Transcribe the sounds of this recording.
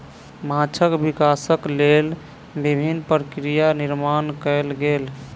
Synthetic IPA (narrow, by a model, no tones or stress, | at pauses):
mat͡ʃʰəkbikasəklel | bibʱinːpɾəkɾijaniɾmankɛjlɡel